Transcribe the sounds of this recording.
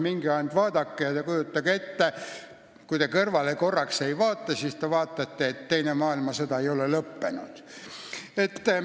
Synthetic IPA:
miŋɡ̥iɑjnt̪ʋɑːd̪̥ɑkːejɑt̪ekujut̪ːɑɡet̪ːe | kujt̪ekɤrʋɑleko̞rːɑksejʋɑːt̪ːɑsiːst̪eʋɑːt̪ːˑɑt̪ːeet̪ːe̞jnemɑːilmɑset̪ɑejo̞lelɤpːenud̪̥ | et̪ː

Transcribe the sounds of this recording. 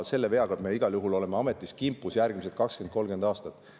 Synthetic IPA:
lse̞lːe̞ve̞ɑɡ̥ɑd̪̥me̞ːiɡ̥ɑljuɦulo̞le̞meɑme̞t̪ːˑiskimpːˑusjærɡmis̬et̪kɑksken̥ko̞lɡe̞nd̪ɑːst̪ɑt̪ːˑ

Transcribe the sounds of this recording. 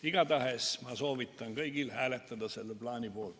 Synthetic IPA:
iɡɑt̪ɑhesmɑsoːʋit̪ːɑŋɡ̥ɤiɡ̥ilhæːlet̪ːɑd̪ɑselːblɑːnʲibuol

